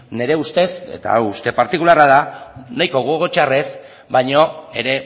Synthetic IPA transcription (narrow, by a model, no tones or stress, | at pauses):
ne̞ɾe̞ust̪e̞se̞̰t̪a̰ust̪e̞paɾt̪ikularaðanajko̞ɣuɣo̞t͡ʃare̞s | bajɲo̞e̞ɾe̞